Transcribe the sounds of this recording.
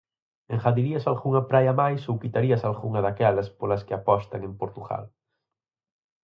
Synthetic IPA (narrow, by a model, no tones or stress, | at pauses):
eŋxaðiɾiɐsalɣuŋɐpɾajɐmajsowkit̪aɾiɐsalɣuŋɐðakɛlɐspolɐskɪapɔst̪ɐŋempoɾt̪uɣa̰l